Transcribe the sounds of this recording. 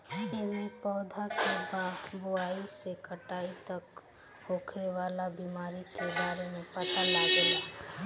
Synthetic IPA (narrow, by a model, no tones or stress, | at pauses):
eʋipɔːd̪ʱakebabʊaːisekəʈaːit̪ɐk | ɦoːkʰeʋaːlabiːmaːɾikebaːɾemẽpɐt̪alaɡea